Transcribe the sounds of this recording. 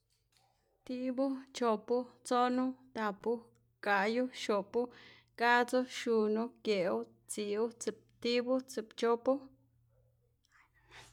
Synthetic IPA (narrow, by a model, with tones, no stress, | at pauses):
t̪i˦bu˦t͡ʃo˨pu˦t͡so˦nu˦d̪a˨pu˦ | ka˨ju˦ʃo˨pu˦ | ka˦t͡so˦ʃu˧nu˦kje˨u˦ | t͡si˨u˦t͡sɨ˨p̚t̪i˦bu˦t͡sɨ˨pt͡ʃo˦pu˦